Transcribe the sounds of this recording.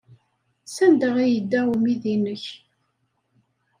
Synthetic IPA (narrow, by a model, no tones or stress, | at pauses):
sænd̪əʁæjəd̪ːæumiðinəç